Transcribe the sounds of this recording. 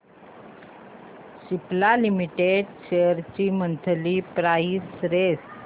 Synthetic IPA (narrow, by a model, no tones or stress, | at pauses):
ɕiplalimiʈeɖɕeəɾt͡ɕiːmənt̪ʰlipɾaisɾes